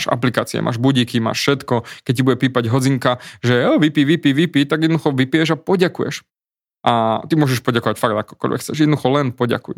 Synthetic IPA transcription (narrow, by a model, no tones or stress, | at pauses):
ʃa̰plikaːt͡siɛ̰mʔa̰ːʒbuɟikima̰ːʃfʃɛt̪kɔkɛc̚cibuɟɛpiːpaɟɦɔd͡ziŋkaʒɛɛʋipiːʋipiːʋipiːt̪aɡjɛd̪nd̪uxɔʋipijɛʒapɔɟakujɛ̰ʃ | ʔat̪imʊɔʒɛʃpɔɟakɔʋacfaɡd̪akɔ̥kɔ̰lʲʋɛ̰kxt͡sɛʒjɛd̪nd̪uxɔlɛnpɔɟa̰kṵj